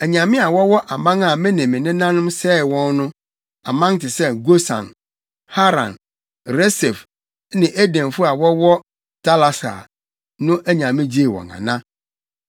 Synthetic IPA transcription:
æ˨ɲã˨mɪ̃˦a˨wɔ˦wɔ˦ʔa˨mã˦ŋa˨mɪ̃˦nɪ̃˨mɪ̃˨nɪ̃˦nã˦nʊ̃˦msɛː˦˨wɔ̃˦nnʊ̃˦ | a˨mã˦n˦tɪ˨sɛ˦ɡo˦sã̰˨n | ha˦ɾã̰˨n | ɾɛ˦sɛ˨f | nɪ̃˨ʔæ˦dɛ̃˨mfʊ˦a˨wɔ˦wɔ˦ | tʰa˦la˨sa̰˨ | nʊ̃˦ʔæ˦ɲã˨mɪ̃˦d͡ʑe˦˨wɔ̰̃˨ŋã̰˨nã˦

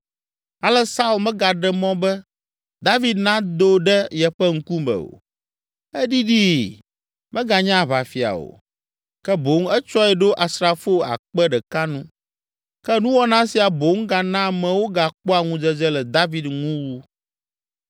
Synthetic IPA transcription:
a˨lɛ˦sa˦u˦lmɛ̃˦ɡa˨ɖɛ˦mɔ̃˦bɛ˦ | d̪a˦vi˦d̪nã˦d̪o˦ɖɛ˦jɛ˨ɸɛ˦ŋ̩˦ku˦bɛ̰˨o̰˨ | ɛ˦ɖi˦ɖi˦ | mɛ̃˦ɡa˨ɲã˦˨βa˨fi˨a̰˨o̰˨ | kɛ˦bo˨˦ŋ˦ɛ˦t͡ʃɔ˦ɛ˨ɖo˦ʔa˨sɾa˨fo˦a̰˨k͡pɛ˦ɖɛ˨ka˦nũ˦ | kɛ˦nũ˦wɔ˦nã˦si˨a˨bo˨˦ŋ˦ɡa˨nã˦˨mɛ̃˨wo˦ɡa˨k͡pɔ˦a˨ŋũ˦d͡ʒɛ˦d͡ʒɛ˦lɛ˨d̪a˦vi˦d̪ŋũ˦wu˦

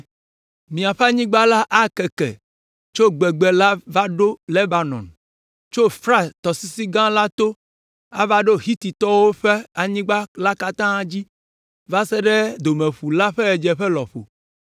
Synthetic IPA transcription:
mĩ˨a˨ɸɛ˦a˦ɲĩ˦ɡ͡ba˦la˦ʔa˦kɛ˨kɛ̰˨ | t͡ʃo˦ɡ͡bɛ˨ɡ͡bɛ˨la˦va˦ɖo˦le˦ba˨nɔ̰̃˨n | t͡ʃo˦fɾa˦t̪ɔ˨si˦si˦ɡã˦la˦t̪o˦ | a̰˦va˦ɖo˦ɦi˦t̪i˨t̪ɔ˦wo˦ɸe˦a˨ɲĩ˦ɡ͡ba˦la˦ka˦t̪ã˦d͡ʑi˦ | va˦sɛ˦ɖɛ˦d̪o˨mɛ̃˨ɸu˨la˦ɸɛ˦ɛ˨d͡ʒɛ˨ɸɛ˦lɔ˨ɸo̰˨

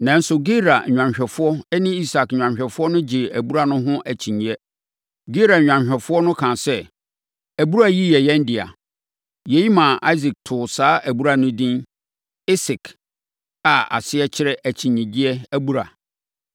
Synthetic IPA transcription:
nã˨n̩˦sʊ˨ɡe˦ɾa̰˨ɲᶣ˨ã˨ɲɕᶣɛ˨fʊ˦ɔ˦ɛ˦nĩ˦i˦sa˨kɲᶣ˨ã˨mɕᶣɛ˨fʊ˦ɔ˦nʊ̃˦d͡ʑɪ˨æ˨bu˦ɾa˦˨nʊ̃˦ɦʊ̃˦ʔæ˨t͡ɕʰĩ˨ɲĩ˨ɛ˦ | ɡe˦ɾa˨ɲᶣã˨ɕᶣɛ˨fʊ˦ɔ˦nʊ̃˦kʰã˨sɛ˦ | æ˨bu˦ɾa˦˨ji˦jɛ˨jɛ̃˦n˦dɪ˨a̰˨ | jɛ˨ji˦mã˨ʔa˦zi˨k̚tʰʊ˨saː˦ʔæ˨bu˦ɾa˨nʊ̃˦dĩ˦n | ɪ˦sɪ˨k | a˨a̰˨sɪ˦ɛ˦t͡ɕʰɪ˦ɾɛ˦ʔæ˨t͡ɕʰĩ˨ɲːĩ˨di˦ɛ˦æ˦bu˦ɾa˨

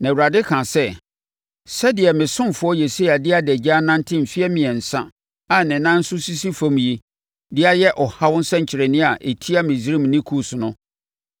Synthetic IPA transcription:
nã˨wu˨ɾa˨dɪ˦kʰã˨sɛ˦ | sɛ˦dɪ˨ɛ˨mɪ̃˨sʊ̃˦mfʊ˨˦ɔ˦je˨si˦a˨dɪ˦a˨dɛ˨d͡ʑa˦nã˦n˦tʰɪ̃˦m̩˨fi˦ɛ˦mɪ̃˨ɛ˨n̩˨sã̰˦ | a˨nɪ̃˨nã˦n̩˦sʊ˦si˦si˦fɔ̃˦m̃˨ji˦ | dɪ˦a˦jɛ˦ʔɔ˨ha˦wʊ̃˦n̩˦sɛ̃˦ɲ̩˨t͡ɕʰɪ˨ɾɛ˨nɪ̃˦a˨ʔe˨tʰi˦a˦mɪ̃˨zi˦ɾĩ˦m˨nɪ̃˦kʰu˦sʊ˨nʊ̃˦

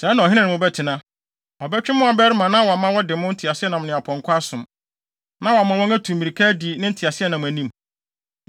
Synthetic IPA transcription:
sɛː˨˦nã˨ɦɪ̃˦nã˦nɪ̃˨mʊ̃˦bɛ˦tʰɪ˨nã˦ | ɔ˨bɛ˦t͡ɕᶣɪ˦mʊ̃˦a˨bɛ˦ɾɪ˦mã˨nã˦wɔ˨a˨mã˦wɔ˦dɪ˨˦mʊ̃˦n̩˦tʰi˨a˨sɪ˦ɛ˦nã˨m˨nɪ̃˨a˨pʰɔ̃˨ŋ˦kʰʷa˦sʊ̃˨m | nã˦wɔ˨a˨mã˨wɔ̃˦næ˦tʰũ˨m˨mĩ˨ɾi˨kʰɛ˦di˨nɪ̃˦n̩˦tʰi˨a˨sɪ˦ɛ˦nã˨m̃˨æ˨nĩ˦m

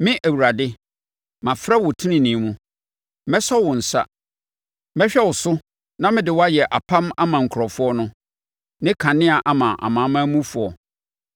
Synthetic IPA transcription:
mɪ̃˦ʔæ˨wu˨ɾa˨dɪ˦ | mã˨fɾɛ˦wʊ˨tʰi˦nɪ̃˨nĩ˨˦mũ˦ | mɛ˦sɔ˦wʊ̃˨n̩˨sa̰˦ | mɛ˦ɕᶣɛ˦wʊ˨sʊ˦ | nã˦mɪ̃˦dɪ˨wɔ˦a˦jɛ˨ʔa˨pʰã˦ma˦mã˨ŋ̩˨kʰɾɔ˨fʊ˦ɔ˦nʊ̃˦ | nɪ̃˦kʰã˨nɪ̃˦a˨ʔa˨mã˨ʔa̰˨mãː˨˦mã˦mũ˦fʊ˨ɔ˨

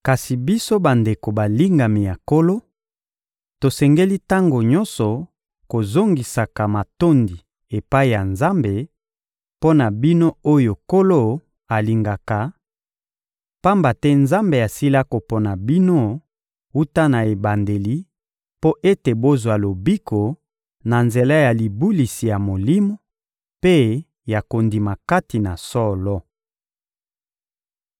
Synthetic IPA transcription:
ka˨si˨bi˦so˦ba˨nde˨ko˨ba˨li˦ŋɡa˨mi˨ja˨ko˦lo˦ | to˨sɛ˨ŋɡe˦li˦ta˦ŋɡo˨ɲɔ˦nsɔ˨ | ko˨zo˦ŋɡi˨sa˨ka˨ma˨to˦ndi˨ | e˨pa˦i˨ja˨nza˦mbe˨ | po˦na˨bi˦no˦o˦jo˨ko˦lo˦ | a˨li˨ŋɡa˨ka˨ | pa˦mba˨tɛ˦nza˦mbe˨a˨si˦la˦ko˨pɔ˦na˨bi˦no˦ | u˦ta˦na˨e˨ba˨nde˨li˦ | po˦ʔe˦te˨bo˦zwa˨lo˨bi˦kʰo˨ | na˨nze˨la˦ja˨li˨bu˦li˨si˨ja˨mo˨li˦mo˦ | pe˦ | ja˨ko˨ndi˨ma˨ka˦ti˨na˨sɔ˦lɔ˦

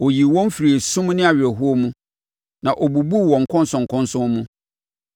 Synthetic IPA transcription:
ɔ˨ji˨wɔ̃˦m˦fi˨ɾi˨e˨sũ˦mnɪ̃˦a˨ɥɾɛ˨ɦu˦o˦mũ˦ | nã˨ʔɔ˨bu˨bu˦˨wɔ̃˨ŋ̩˨kʰɔ̃˦n˦sɔ̃˨ŋ˨kʰɔ̃˦n˦sʊ̃˦mmũ˦

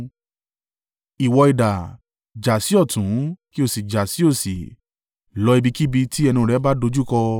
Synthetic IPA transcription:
i˨wɔ˧i˨da˨ | d͡ʒa˨si˨˦ɔ˦˨tũ˨˦ki˦o˦˨si˨d͡ʒa˨si˨˦o˦˨si˨ | lɔ˧˦i˧bi˧ki˦bi˧tʰi˦ɛ˧nĩ˧˨ɾɛ˨˦ba˦do˧d͡ʒu˦kɔ˧

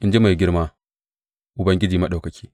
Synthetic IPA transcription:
ʔɪ˨nd͡ʒe˦ma˨ɡʲɪ˦ɾmaː˦ | ʔʊ˨bɐ˦ŋɡʲɪ˦d͡ʒiː˨ma˦ɗa˨wkɐ˨kʲʰi̥ː˦

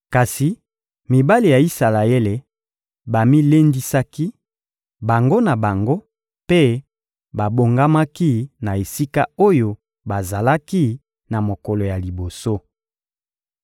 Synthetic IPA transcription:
ka˨si˨ | mi˨ba˦li˨ja˨i˦sa˨la˨e˦le˨ | ba˨mi˦le˦ndi˦sa˦ki˦ | ba˨ŋɡo˦na˨ba˨ŋɡo˦ | pe˦ | ba˨bo˨ŋɡa˦ma˦ki˦na˨e˨si˦ka˦o˦jo˨ | ba˨za˨la˦ki˦ | na˨mo˨kɔ˨lo˨ja˨li˨bo˨so˦

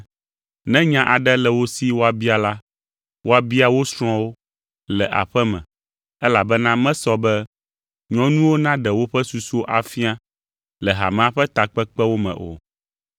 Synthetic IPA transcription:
nɛ̃˦ɲã˦ʔa˨ɖɛ˦lɛ˨wo˦si˦wo˦a˨bi˦a˨la˦ | wo˦a˨bi˦a˨wo˦sɾ̃ɔ̃˦wo˦ | lɛ˨ʔa̰˨ɸɛ˦mɛ̰̃˨ | ɛ˦la˨bɛ˦nã˦mɛ̃˦sɔ˦bɛ˦ | ɲɔ̃˨˦nũ˦wo˦nã˦ɖɛ˨wo˦ɸɛ˦su˨su˦o˦ʔa˨fi˦a˦ | lɛ˨ɦa̰˨mɛ̃˨a˨ɸɛ˦t̪a˨k͡pɛ˦k͡pɛ˦wo˦mɛ̰̃˨ʔo̰˨

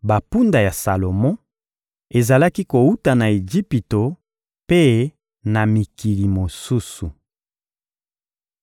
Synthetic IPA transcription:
ba˨pu˦nda˨ja˨sa˨lo˨mɔ̃˦ | e˨za˨la˦ki˦ko˨u˦ta˨na˨e˨d͡ʒi˦pi˨to˨ | pe˦ | na˨mi˨ki˨li˨mo˨su˦su˨

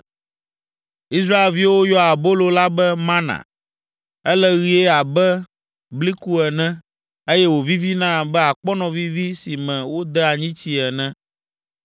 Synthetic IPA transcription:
i˦s̬ɾa˦e˨lvi˦wo˦jɔ˦a˨bo˦lo˦la˦bɛ˦mã˦nã̰˨ | ɛ˦lɛ˦ɣi˦e˦a˨bɛ˦ | bli˦ku˦ɛ˨nɛ̃˦ | e˦jɛ˦wo˨vi˦vi˦nã˦˨bɛ˦a˨k͡pɔ˦nɔ̃˨vi˦vi˦si˨mɛ̃˨wo˦d̪ɛ˦a˨ɲĩ˦t͡ɕi˦ɛ˨nɛ̃˦

